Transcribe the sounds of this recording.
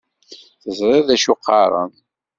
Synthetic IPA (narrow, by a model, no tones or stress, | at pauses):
θəzɾˤɑðæʃuqːɑɾˤə̰n